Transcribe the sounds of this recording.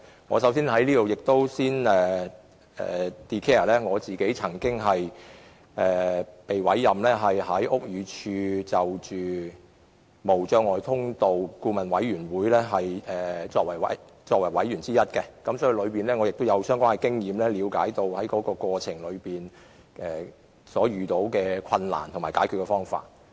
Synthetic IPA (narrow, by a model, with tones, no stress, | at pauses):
ŋɔ̰ː˨˧s̬ɐ˨˥wsiː˥nhɐ˨˥jliː˥t̪o˨wjɪ˨k̚t̪o˥wsiː˥nɛː˨ | ɛ̰ː˨t̪iː˧kʰeː˥ɐ˨˩lɛː˥ŋɔː˨˧t͡siː˨ke˨˥jt͡sʰɐ˨˩ŋkɪ˥ŋɦɐ˨j | ʔɛː˨˩pe˨jwɐ˨˥jːɐ˨mlɛː˥ɦɐ˨jɦɐ˨˥jʔʊ˥k̚jyː˨˧t͡ʃʰyː˧t͡sɐ˨wt͡ʃyː˨ | mo˨˩wt͡ʃœː˧ŋɔː˨˧jt̪ʰʊ˥ŋt̪o˨wkuː˧mɐ˨˩nwɐ˨˥jɥyː˨˩nwuː˨˥jlɛː˥ɦɐ˨jɛː˨t͡sɔː˧k̚wɐ˨˩jwɐ̰˨j | t͡ʃɔː˧k̚wɐ˨˩jwɐ˨˥jɥyː˨˩nt͡siː˥jɐ˥t̚kɛ˧kɐ˨˥msɔː˨˥ji˧lɵ˨˧ɥpiː˨nlɛː˥ŋɔː˨˧jɪ˨k̚t̪o˥wjɐ˨˧wsœː˥ŋkʷwaː˥ŋɛ˧kɪ˥ŋjiː˨˧mlɛː˥liː˨˧wkaː˨˥jt̪o˧whɐ˨˥jkɔː˨˥kɔː˧kwɔː˧t͡ʃʰɪ˨˩ŋlɵ˨˧ɥpiː˨n | ʔɛː˨ | sɔː˨˥ɥyː˨˩t̪o˨˥wkɛː˧kʰɐ˧nla̰ː˨˩nt̪ʰʊ˨˩ŋmaː˨˩jkaː˨˥kʰy˨˧kɛ˧fɔː˥ŋfa̰ː˧˩t̚